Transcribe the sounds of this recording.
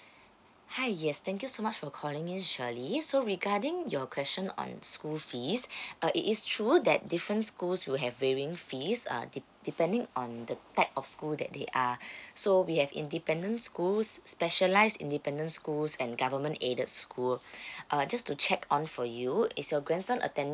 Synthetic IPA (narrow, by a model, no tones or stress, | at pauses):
haɪjɛst̪ʰɛ̃ŋk̬jusomat͡ʃfɔkʰɔlɪ̃ŋĩnʃəlisoɹiɡadɪ̃ŋjɔkʰwɛst͡ʃə̃nɔ̰̃nskulfisʌʔḭtistʰɹudɛt̚difɹə̃ntskulswilɦɛvweɹiɪ̃ŋfisʌ̰d | d̥ipɛ̃ndɪ̃ŋɔ̃ndətaɪp̚ɔfskuldɛ̰t̚d̪ḛʔasowihɛvḭ̃ndipɛ̃ndə̃ntskulsːpɛʃəlaɪsdḭ̃ndipɛ̃ndə̃ntskulsɛ̃nɡavəmə̃ntedətskʰulʔad͡ʒastut͡ʃɛkʰɔ̃nfɔjuɪtsjɔɡɹɛ̃nsãnʔə̰tɛ̃n